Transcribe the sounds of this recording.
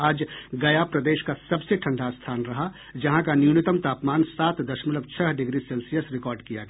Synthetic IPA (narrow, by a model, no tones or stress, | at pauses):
aːd͡ʒɡɐjapɾɐd̪eːʃkasɐbseʈʰɐ̃ɳɖʱast̪ʰaːnɾɐɦa | d͡ʒɐɦãkanjuːnɪt̪əmt̪aːpmaːnsaːt̪d̪ɐʃmələbt͡ʃʰɐɦɖɪɡɾiseːlsijəsɾɪkɔːɾɖkijaɡɐa